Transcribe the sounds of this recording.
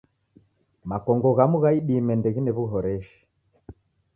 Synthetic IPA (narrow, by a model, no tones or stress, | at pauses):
makɔŋɡɔɣamuɣaiɓimɛndɛɣinɛβuɦɔɾɛʃi̥